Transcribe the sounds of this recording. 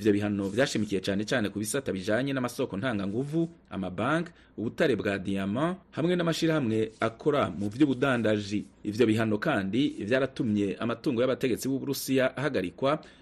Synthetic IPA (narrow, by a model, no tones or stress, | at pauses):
ivjo̞βiɦano̞vjaːʃimikije̞t͡ʃaːne̞t͡ʃaːne̞kuβisataβiʒaːɲe̞namaso̞ːko̞nhaːŋɡaŋɡuvua̰mabaːŋk | uβutaɾebɡaːdijamahamŋe̞namaʃiɾahamŋe̞akʰo̞ɾamuvjuːβudaːndaʒiːvjo̞βiɦano̞kaːndivjaːɾatumɲe̞ʔamatuːŋɡo̞jaβate̞ɡe̞t͡siβuβuɾusijaʔːɦaɡaɾikwa